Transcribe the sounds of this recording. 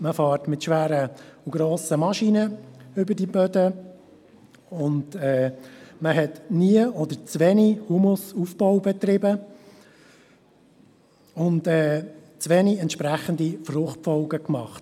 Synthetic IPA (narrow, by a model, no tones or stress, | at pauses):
məfɑːɾtmɪtʃʋæːɾəuɡ̥ɾɔːsəmɑʃinəʏbədibødə | ʊndɛːməɦɛtniəɔd̪əɾt͡svɛnihumʊsufbɔwbɛt̪ɾɪbə | ʊndɛːt͡sʋɛniɛntʃpɾæχənd̪ifrʊχtfɔlɡəkmɑχt